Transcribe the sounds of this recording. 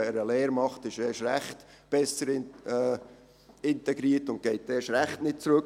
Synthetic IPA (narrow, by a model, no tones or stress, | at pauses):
ɛɾəleːɾmɑχtɪʃɛːʃɾæχtb̥ɛsəɾ | ɪntɛɡɾiːətʊnt̚ɡ̥ɛɪt̚dɛːʃɾæχtnɪt̚t͡sɾɵk